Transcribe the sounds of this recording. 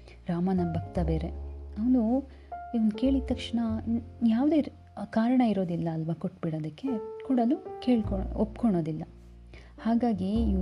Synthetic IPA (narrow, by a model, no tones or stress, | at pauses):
ɾaːmɐnɐbʱɐkt̪ɐbe̞ːɾe̞ɐʋnu | iʋɐnd̪ke̞ːɭit̪ːɐkʂɳɐjaːʋd̪e̞ː | kaːɾɐɳɐiɾo̞ːd̪ilːɐːlʋɐkoʈːbiɽoːd̪ɐkːe̞kuːɽɐlukeːɭkoopkoɳoːd̪ilːɐ | haːɡaːɡiː